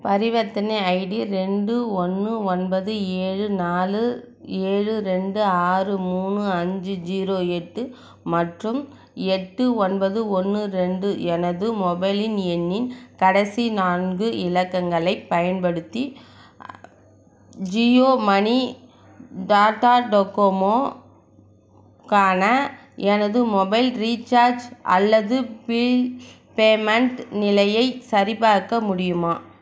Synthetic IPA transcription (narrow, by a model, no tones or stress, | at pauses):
pɐɾɪʋɐt̪ːɪnɐɐɪɽiɾɛɳɖɯɔnːɯɔnbɐðɯeːɻɯnaːlɯ | eːɻɯɾɛɳɖɯaːrɯmuːnɯɐɲd͡ʒɯd͡ʒiːɾoːɛʈːɯ | mɐʈrɯm | ɛʈːɯɔnbɐðɯɔnːɯɾɛɳɖɯɛnɐðɯmɔbɐɪlɪnɛnːɪnkɐɽɐsinaːnɡɯʔɪlɐkːɐŋɡɐɭɐɪpːɐjɐnpɐɽɯt̪ːi | d͡ʒioːmɐni | ɖaːʈaːɖɔkomoː | kaːnɐ | ɛnɐðɯmɔbɐɪlɾiːt͡ʃaːɾd͡ʒʔɐ̰lːɐðɯpɪɭ | peːmɐɳʈnɪlɐjɐɪsɐɾɪpaːɾkːɐmʊɽɪjɯmaː